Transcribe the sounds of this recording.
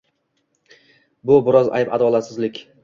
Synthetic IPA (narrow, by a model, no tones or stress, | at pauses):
bʊbɪɾɒza̰jpa̰d̪ɒlˠat̪sɪzlɪkʲ